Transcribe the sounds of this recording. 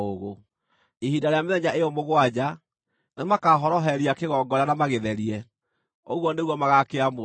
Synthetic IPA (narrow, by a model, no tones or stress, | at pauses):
oɣo | ihidaɾejameðɛɲaʔeɔmoɣwad͡ʑa | nemakaɦɔɾɔɦɛɾiakeɣɔːɡɔɾanamaɣeðɛɾiɛ | oɣwɔneɣuwɔmaɣakeamo